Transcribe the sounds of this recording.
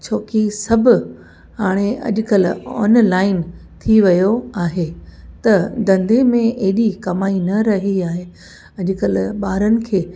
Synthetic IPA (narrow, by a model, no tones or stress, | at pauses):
t͡ɕʰoːkisɐbʱʊ | ɦaːɽ̃eʔɐ̰ʄʊkəlɔ̰ːnlaːɪnt̪ʰiʋɐjoaːɦet̪ɐd̪ɐ̃nd̪emẽɐɦɪɗikɐmaːinɐɾɐɦiaːɦe | ɐʄʊkəlɓaːɾənɪ̆kʰeː